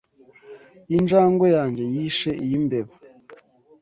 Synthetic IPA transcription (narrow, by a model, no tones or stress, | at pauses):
ind͡ʒaːŋɡwojaːɲɟe̞jiʃeʔijimbeβa